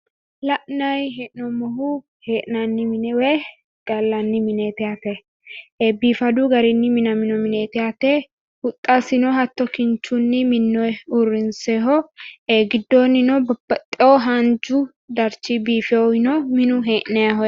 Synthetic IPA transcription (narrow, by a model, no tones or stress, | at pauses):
lɐʔnɐjɦeʔnɔmɔɦʊ | heːʔnɐnːɪmɪnɛwɛ | d̥ɐlːɐnːɪmɪnet̪ɪat̪e | eːbiːfɐd̪ʊɡɐɾɪnːɪmɪnɐmɪnɔmɪneːt̪ɪat̪e | hʊt̪ʼːasɪnɔɦɐt̪ːɔkɪnt͡ʃːʊnːɪmɪnːɔjʊrːɪnseːɦɔeːɡɪd̪ːɔnːɪnɔbɐt̪ʼːɛɔɦɐnd͡ʒʊ | d̪ɐɾt͡ʃːɪbiːfɛɔhɪnɔmɪnʊɦeːʔnɛaɦɔ